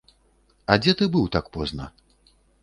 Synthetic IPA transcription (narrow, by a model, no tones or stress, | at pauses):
ɐd͡zʲɛt̪ɨbɨwt̪akpɔznɐ̰